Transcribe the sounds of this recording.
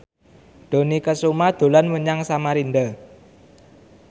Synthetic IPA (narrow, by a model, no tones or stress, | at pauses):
ɖ̪̥o̤nikəsumad̪̥o̤lanwəɲaŋsamaɾind̪ə